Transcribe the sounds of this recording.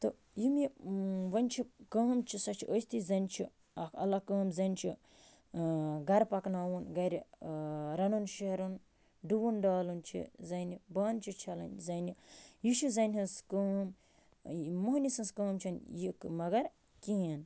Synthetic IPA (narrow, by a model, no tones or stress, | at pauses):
t̪ɨ | jimjiʋɐnʲt͡ʃʰikɐːmt͡ʃʰisɐt͡ʃʰiʔosʲt̪ʰizɐnʲt͡ʃʰi | ɐkʰɐ̰lːakɐːmzɐnʲt͡ʃʰi | ɡɐɾpɐknaːwunɡɐɾʲi | ɾɐnunʃeɾun | ɖuʋunɖaːlunt͡ʃʰḭzɐnʲibaːnt͡ʃʰit͡ʃʰɐlɐ̰nzɐnʲijiʃizɐnʲɦɐnskəːm | moɦnisɐnskɐːmt͡ʃʰɐnjikmɐɡɐɾ | kin